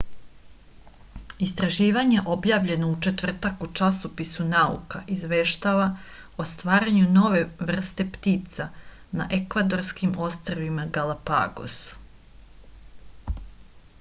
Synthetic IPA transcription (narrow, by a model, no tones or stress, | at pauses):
ist̪ɾaʒiːʋaɲe̞ʔo̞bjaːʋʎe̞no̞ut͡ʃe̞t̪ʋr̩t̪akut͡ʃasopisunaṵkaʔizʋeːʃt̪aʋa | ost̪ʋaːɾaɲuno̞ʋe̞ʋr̩st̪e̞pt̪iːt̪sa | na̰ʔekʋad̪o̞ɾskimo̞st̪roʋimaɡalapa̰ːɡo̰s